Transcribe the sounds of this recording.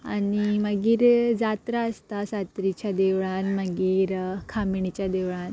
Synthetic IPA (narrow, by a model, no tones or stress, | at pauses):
animəɡiːɾd͡zat̪ɾaəst̪asat̪ɾit͡ɕjad̪eʋɭanməɡiːɾkʰamiɳit͡ɕjad̪eʋɭãn